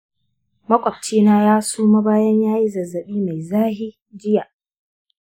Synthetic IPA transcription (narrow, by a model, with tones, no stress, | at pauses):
mɐ˦kʷʼɐ˨p̚t͡ʃiː˦naː˦jaː˦suː˦ma˦baː˦jɐ˦ɲjaː˦ji˦zɐ˨zɐ˨ɓiː˦ma˨jzaː˦ɦi˦ | d͡ʒɪ˦ja˨ʔ